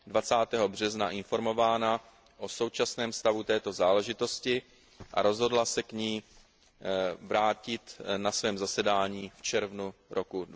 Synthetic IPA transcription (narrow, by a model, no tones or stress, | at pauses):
dvat͡saːt̪ɛːɦo̞br̝ɛznaʔɪnfo̞ɾmo̞vaːna | ʔoso̞wt͡ʃasnɛːmst̪avut̪ɛːt̪o̞zaːlɛʒɪt̪o̞scɪ | ʔa̰ɾo̞zɦo̞dlasɛkɲiː | vɾaːcɪt̪nasvɛːmzasɛdaːɲiːft͡ʃɛɾvnuɾoku